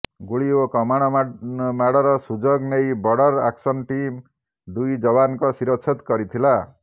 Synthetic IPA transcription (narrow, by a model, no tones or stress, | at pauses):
ɡuɭiokɔmaɽ̃ɔmaɽɔɾɔsud͡ʒoɡnejbɔɽɔɾa̰ksɔnʈim | d̪ujd͡ʒɔβankɔsiɾɔtːt͡ʃʰit̪kɔɾit̪ʰila